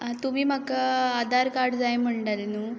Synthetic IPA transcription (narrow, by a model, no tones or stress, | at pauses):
t̪umiːmakaad̪ʱaɾkaɾɖd͡zajm̤əɳʈalenuː